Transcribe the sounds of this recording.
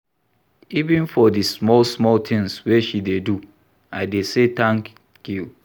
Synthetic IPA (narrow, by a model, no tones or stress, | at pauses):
ivĩnfɔdismɔlsmɔltʰɪ̃ŋsweʃidedu | aɪdeset̪ãŋk | kju